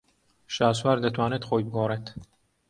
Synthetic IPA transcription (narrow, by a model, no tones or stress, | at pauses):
ʃɑːswæɾd̪ət̪ʰwaːnet̪xoːjbɨɡoːɾet̪